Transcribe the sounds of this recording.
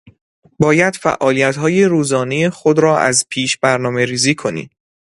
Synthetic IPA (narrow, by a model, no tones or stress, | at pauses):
bɒːjæd̪̥fæ̰ʔɒːlijæt̪hɒːje̞ɾuːzɒːne̞je̞xo̞d̪ɾɒːʔæ̰zpʰiːʃbæɾnɒːme̞ɾiːziːkʰo̞nḭːd̪